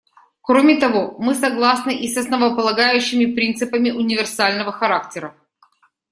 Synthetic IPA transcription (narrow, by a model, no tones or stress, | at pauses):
kɾomʲɪt̪ɐvomɨsɐɡlˠasnɨʔisɐsnəvəpəlˠɐɡajʉɕːɪmʲɪpɾʲint̪sɨpəmʲɪʔʊnʲɪvʲɪrsalʲnəvəxɐɾak̚tʲɪɾə